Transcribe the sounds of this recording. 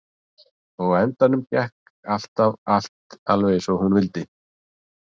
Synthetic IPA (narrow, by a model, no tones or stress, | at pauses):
ɔɣɛnt̪anʏmcɛhk | al̥t̪aval̥t̪alvɛjðsɔɣhunvɪlt̪ɪ